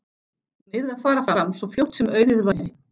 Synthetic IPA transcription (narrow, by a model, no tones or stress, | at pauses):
mɪðaðfaːɾafaɾamsɔfjowht̪sʏmœːɥðɪðvaɪ